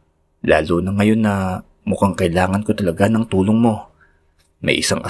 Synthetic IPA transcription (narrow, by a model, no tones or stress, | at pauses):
laːlonɐŋɐjo̞nːɐ | mʊkaŋkɐʔɪlaːŋɐnko̞t̪ɐlɐɡanɐŋt̪uːloŋmo̞ | mɐ̰jʔɪsaŋʔɐ